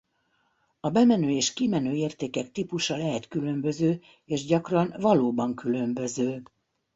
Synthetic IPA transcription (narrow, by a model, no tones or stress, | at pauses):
ɒbɛmɛnøːeːʃkimɛnøːeːrt̪eːkɛk̚t̪ipuʃɒlɛɦɛt̪kylø̞mbø̞zøː | eːʒɟɒkrɒnvɒloːbɒŋkylømbø̞zøː